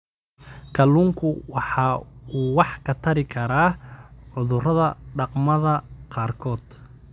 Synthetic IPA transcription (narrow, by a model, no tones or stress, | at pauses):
kʰɐluːŋkʰʊwɑħɑːuːwɑħkʰɐt̪ʰɐɾɪkʰɐɾaːʕʊðʊrɐðɐɖɑqmɐðɐqɑːrkʰɔːd̪̥